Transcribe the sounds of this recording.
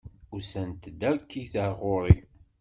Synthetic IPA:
ʊɾsənt̪d̪æɾkːiθəɾˤʁoɾˤi

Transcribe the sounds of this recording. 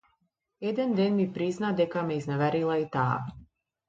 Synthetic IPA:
ɛd̪ɛnd̪ɛnmipɾiznad̪ɛkamɛiznɛvɛɾilˠait̪a̰ː

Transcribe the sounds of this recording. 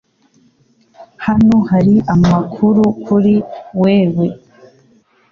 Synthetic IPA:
hanohaɾiʔamakʰuɾukʰuɾiweːwe

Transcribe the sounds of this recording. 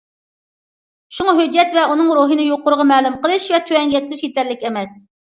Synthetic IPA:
ʃuŋɑɦød͡ʒːɛt̪vɛʔunɨŋɾuɦɨnɨjoqːʊɾʊəʁɑmɛːlˠumqəlˠɨʃvɛt̪ʰøɛŋjɛt̪̚kʲyzʃjet̪ʰɛɾlɪkʲɛmɛs

